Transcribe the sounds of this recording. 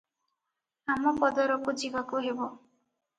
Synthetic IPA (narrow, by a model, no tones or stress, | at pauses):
amɔpɔd̪ɔɾɔkud͡ʒibakuɦebo